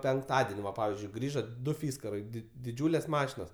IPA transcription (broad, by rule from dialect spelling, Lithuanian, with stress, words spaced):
pʲɛŋkˈtɑːdʲɛnʲ ʋɐ ˈpɑːʋʲɪzʲd͡ʒʲʊɪ ˈɡrʲiːʒoː ˈdʊ ˈfʲiːskɐrɐɪ dʲɪ dʲɪˈd͡ʒʲuːlʲeːs ˈmɑːʃʲɪnoːs